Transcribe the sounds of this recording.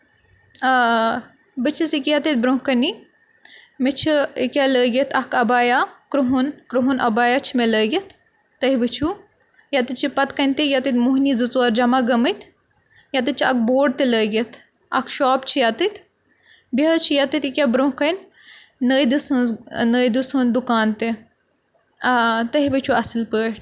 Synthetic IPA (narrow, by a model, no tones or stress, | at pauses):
bɨt͡ʃʰisikʲijat̪it̪̚bɾoɦkɐni | met͡ʃʰiikʲjaləːɡʲɐt̪ʰɐkɐbaːjakɾuɦunkɾuɦunʔɐbaːjat͡ʃʰimeləːɡʲɐt̪ː | ɐɦibɨt͡ʃʰu | jat̪it̪̚t͡ʃʰipɐt̪kɐnʲt̪ijat̪it̪muɦnid͡zɨt͡suaɾd͡ʒɐmaɡɐmɨt̪ | jɐt̪it̪̚t͡ʃʰiɐk̚boːɖ̚t̪eləːɡit̪ | ɐ̰kʰʃɔːpt͡ʃʰijat̪it̪ | bɐɦət͡ʃʰijɐt̪it̪ikʲjabɾõkɐn | nəːjd̪isɨnznəːjd̪usund̪ukaːnt̪e | t̪ɐɦibɨt͡ʃʰuɐsɨlpəːʈ